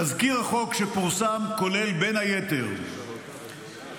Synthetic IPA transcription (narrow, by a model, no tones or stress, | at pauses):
azkiʁaχo̞kʃepuʁsamko̞le̞lbe̞nhajet̪eʁ